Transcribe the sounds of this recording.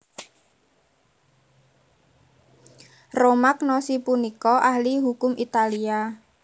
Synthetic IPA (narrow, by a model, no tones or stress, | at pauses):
romak̚nɔsipunikɔʔahliɦukʊmʔit̪alia